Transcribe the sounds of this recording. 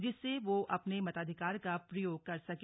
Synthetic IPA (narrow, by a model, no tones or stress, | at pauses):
d͡ʒɪsːeʋoʔɐpnemɐt̪aːd̪ʱɪkaːɾkapɾɐjoːɡ̚kɐɾsɐk